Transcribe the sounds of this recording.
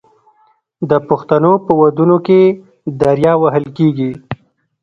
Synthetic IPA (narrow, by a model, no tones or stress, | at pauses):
d̪əpʊxt̪anopəwad̪unoke | d̪aɾjɑwaɦəlkeɡi